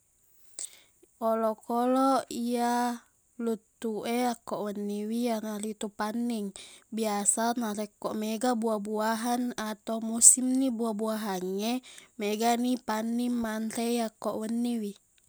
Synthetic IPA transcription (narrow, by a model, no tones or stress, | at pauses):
olokoloia | lut̪ːuʔeakːoʔwənːiwijanalit̪upanːiŋbiasanaɾekːoʔmeɡabuabuaɦanat̪aumusimnibuabuaɦaŋːemeɡanipanːimːant̪ejakːoʔwənːiwi